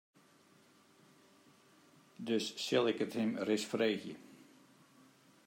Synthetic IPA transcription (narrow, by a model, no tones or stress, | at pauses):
døsːɪlˠɪkəthɪmrɪsfreːxjə̰